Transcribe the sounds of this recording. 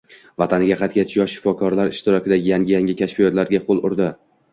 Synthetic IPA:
vat̪ʰanɪɡʲaqʰɑt̪̚kʲat͡ʃ̪ʰjɒʃːɪ̥fɒkʰɒɾlaɾɪʃt̪ɪɾɒkʲɪd̪aɡʲɪjaŋʲɪjaŋʲɪkʲʰaʃfijɒt̪laɾɡʲaqʰolˠʊɾd̪ɪ

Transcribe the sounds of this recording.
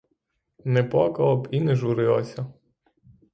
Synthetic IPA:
nɛpɔkɐɔpinɛʒuɾɪlˠɔsʲɐ

